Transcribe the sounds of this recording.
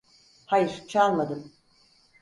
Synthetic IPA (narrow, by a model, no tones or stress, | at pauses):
hajɯɾt͡ʃʰalˠmad̪ɯm